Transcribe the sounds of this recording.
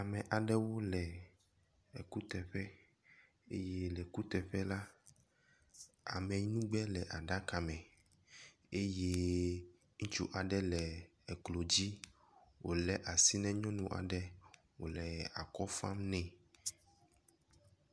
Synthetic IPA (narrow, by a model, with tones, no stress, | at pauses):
a˨mɛ̃˨ʔa˨ɖɛ˦wo˦lɛ˨ | ku˦t̪ɛ˨ɸɛ˦ | ḛ˦je˦lɛ˨ku˦t̪ɛ˨ɸɛ˦la˦ | a̰˨mɛ̃˨˦nũ˦ɡ͡bɛ˦lɛ˨ʔa˨ɖa˦ka˨mɛ̃˨ | e˦je˦ | ŋ̩˦t͡ʃṵ˦ʔa˨ɖɛ˦lɛ˨ | ɛ˨klo˨d͡ʑi˦ | wo̰˨lɛ˨ʔa˨si˦nɛ̃˦ɲɔ̃˦nũ˨ʔa̰˨ɖɛ˦ | wo̰˨lɛ˨a̰˨kɔ˦fa˦mnɛ̃˨